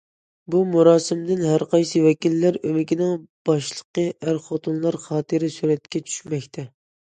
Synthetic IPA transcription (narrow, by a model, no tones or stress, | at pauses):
bumuɾɑːsɪmd̪ɪnɦæɾqʰɑjsɨwɛkʲilːæɾømɪkʲinɪŋb̥ɑʃlˠəqəʔæɾχot̪ʰunlˠɑɾχɑːt̪ʰɨɾɪsyɾɛt̪kʲɛt͡ʃʰy̥ʃmɛkʲt̪ʰɛ